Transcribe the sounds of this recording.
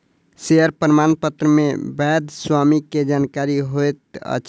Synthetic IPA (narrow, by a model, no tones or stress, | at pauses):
seəɾpɾmanpət̪ɾəmebɛd̪swamiked͡ʒankaɾiɦojt̪ə̰t͡ʃ